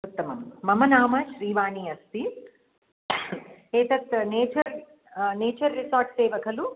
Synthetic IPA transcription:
ut̪ːɐmɐ̰mːɐmɐnaːmɐʃɾiːʋaːniːɐst̪i | eːt̪ɐt̪neːt͡ʃɐɾ | neːt͡ʃɐɾːisaːɾʈseːʋɐkɐlu

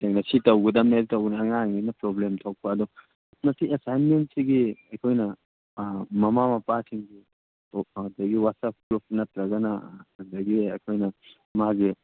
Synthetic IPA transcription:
teŋnɐsitɐwɡɐdɐmeltɐwɡnɐːŋaŋinɐpɾoblemtʰɐwk̚paːd̪ɔ | mɐsiesajnmentsiɡiɐkʰojnɐ | mɐmamɐpatʰiŋɡi | dɐɡiwasɐp̚ɡɾup̚nɐt̪ɾɐɡɐnɐɐdɐɡiɐkʰojnɐ | maɡi

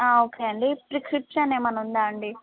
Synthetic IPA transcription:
aːoːkeːɐɳɖipɾikɾipʂɐneːmɐnund̪aːɐɳɖi

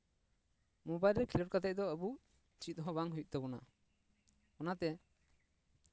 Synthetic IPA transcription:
mɔbajlɾɛkʰilɔʈ̚kat̪ɛc̚d̪ɔəbu | t͡ʃit̪̚ˀɦɔ̃baŋɦujuʔ̚t̪ɛbɔna | ɔnat̪ɛ

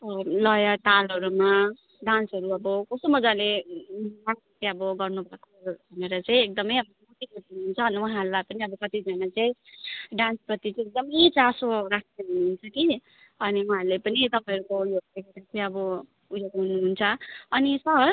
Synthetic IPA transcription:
lʌjʌʈalʌɾuma | ɖansʌɾuʌbʌkosomʌd͡zale | lakat̪eʌbʌɡʌrnubʱakoʌbʱʌneɾʌt͡saĩek̚d̪ʌmʌjʌbʌmot̪ikut̪inuɦunt͡sʰʌɦːnʌuɦãɾulapʌniʌbʌkʌt̪id͡zanat͡saĩɖãnsprʌt̪it͡sek̚d̪ʌmʌt͡sasoɾakʰneɦunuɦunt͡sʰʌki | ʌniuɦãɾlepʌnit̪ʌpãɦʌɾukojoɡ̚t̪ekeɾat͡saĩʌbʌ | ujoɡɦunuɦunt͡sʰʌʌnisʌɦʌ

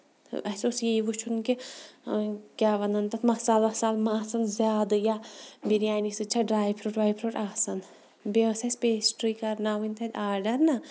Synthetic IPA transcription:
ɐsʲosjeʋut͡ʃʰunki | kʲaːʋɐnɐnt̪ɐt̪mɐsaːlɐsaːlmaːsɐnzʲaːd̪ɨjabiɾjaːnisɨt͡ʃʰaɖɾaːjpʰɾoʈʋaːjpʰɾoʈaːsɐn | besɐspesʈɾikɐɾnaʋɨnʲt̪ʰɐd̪ʲaːɾɖɐɾna

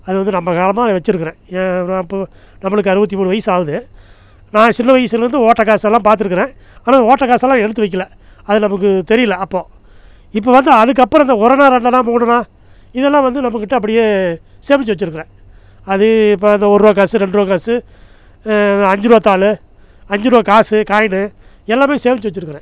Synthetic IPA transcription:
ɐðɯʋɐnd̪ɯnɐmːɐkaːlɐmaːʋɐt͡ʃːɪɾɯkːɯɾẽːɪpːo | nɐmːɐɭɯk̬ːɐɾɯʋɐt̪ːimuːɽɯʋɐjɐsaːʋɯðɯ | nãːsɪnːɐʋɐjɐsɯɣɐlɾɯnd̪ɯoːʈːɐkːaːsɛlːãːpaːɾt̪ːɯɾɯkːɯɾẽː | aːnaːoːʈːɐkːaːsɐlːãːɛɽɯt̪ːɯʋɐɪkːɐlɐ | ɐðɯnɐmɐk̬ːɯt̪ɛɾɪjɐlɐːpːoː | ɪpːoːʋɐnd̪ɯɐðɯk̬ːɐpːɾɔ̃ɐnd̪ɐɔɾɐnãːɾɛɳɖɐlãːmuːɳɐnãː | ɪðɛlːãːʋɐnd̪ɯnɐmɐkːɪʈːɐɐp̬ːɐɽɪjeː | seːʋɪt͡ʃːʋɐt͡ʃːɪɾɯkːɯɾẽː | ɐðɯɪpːoɐnd̪ɐɔɾɯɾoːk̬aːsɯɾɛɳɖɯɾoːkaːsɯ | ɐnd̪ɐɐɲd͡ʒɯɾɐːt̪ːaːlɯ | ɐɲd͡ʒɪɾɯɐkaːsɯkaːjɐnɯ | ɛlːaːmeːseːʋɪt͡ʃːɯʋɐt͡ʃːɪɾɯkːɯɾḛ̃ː

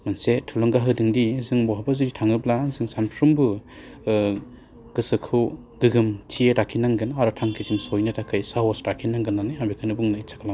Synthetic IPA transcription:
mansetʰulɔŋɡaɦɯdiŋdizɯŋbɔɦabazuɾitʰaŋɯblazɯŋsampʰɾumbɯ | ɡ̥ɯsɯkʰɯw | ɡɯɡɯmtʰieɾakʰinaŋɡɯnaɾɔtʰaŋkʰizimsɔjnɯtʰakʰɯjsaɦɔsɾakʰinaŋɡɯnːanɯabikʰɯnɯbuŋnɯit͡ʃʰḁkʰalaŋ

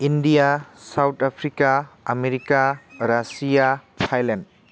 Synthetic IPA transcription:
indijasawtʰapʰɾikaɐmeɾikaɾasijatʰajlend̚

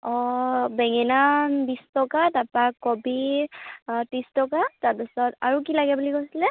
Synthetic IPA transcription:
ɔbɛŋɛnanbistɔkatapakɔbi | tistɔkataɹpisɔta̰ɹukilaɡɛbulikojsilɛ

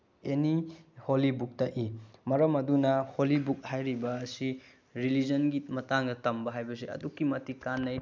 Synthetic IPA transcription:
eniholibuk̚tɐʔimɐɾɐmɐdunɐholibuk̚hajɾibɐːsi | ɾilid͡ʒɐnɡimɐtaŋdɐtɐmbɐɦajbɐseɐ̰dukːimɐtikanːɐj

